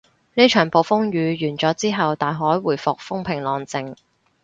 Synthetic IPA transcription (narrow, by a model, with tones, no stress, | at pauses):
neː˥t͡ʃʰœː˨˩ŋpo˨wfʊ˥ŋjyː˨˧jyː˨˩nt͡sɔː˨˥t͡siː˥ɦɐ˨wt̪aː˨jɦɔː˨˥jwuː˨˩jfʊ˨k̚fʊ˥ŋpʰɪ˨˩ŋlɔː˨ŋt͡sɪ˨ŋ